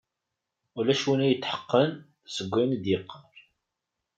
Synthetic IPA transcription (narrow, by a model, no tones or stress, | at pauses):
ulæʃwinæjət̪ːħə̥qːən | səɡʷːænd̪jɪqːəɾ